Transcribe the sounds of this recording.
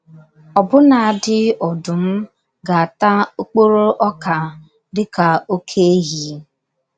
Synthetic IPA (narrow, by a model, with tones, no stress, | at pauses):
ɔ˨bʊ˦na˨a˨dɪ˦ɔ˨dʊ˨m̩˦ | ɡa˨a˨ta˦o˦k͡po˦ɾo˦ʔɔ˦ka˨ | dɪ˦ka˨o˦kʰe˦e˦ɦi˨˦